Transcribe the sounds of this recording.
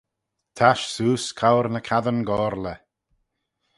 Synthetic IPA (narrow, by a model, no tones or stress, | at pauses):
t̪ʰaʃsuːskʰawɾnəkʰaðənɡɔːɾlə